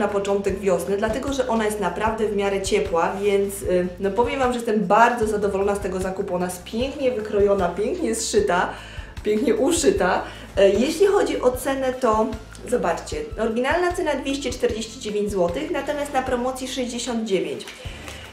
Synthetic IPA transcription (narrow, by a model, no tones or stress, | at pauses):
napɔt͡ʂɔnt̪ɛɡvʲjɔsnɛd̪lat̪ɛɡɔʐɛʔɔnajɛst̪napɾavd̪ɛvmʲjaɾɛt͡ɕɛpwavʲjɛnt̪snɔpɔvʲjɛmvamʐɛjɛst̪ɛmbaɾd̪zɔzad̪ɔvɔlɔnast̪ɛɡɔzakupuɔnajɛst̪̚pʲjɛŋkɲɛvɘkɾɔjɔnapʲjɛŋkɲɛsʂɘt̪a | pʲjɛŋkɲɛʔuʂɘt̪a | jeɕlʲixɔd͡ʑiʔɔt̪sɛnɛt̪ɔ | zɔbat͡ʂt͡ɕɛɔɾɡʲinalnat̪sɛnad̪vʲjeɕt͡ɕɛt͡ʂt̪ɛɾd͡ʑeɕt͡ɕid͡ʑevʲjẽɲd͡ʑzwɔt̪ɘxnat̪ɔmʲjast̪napɾɔmɔt̪sʲjiʂɛʑd͡ʑeɕɔnd̪̚d͡ʑevʲjeɲt͡ɕ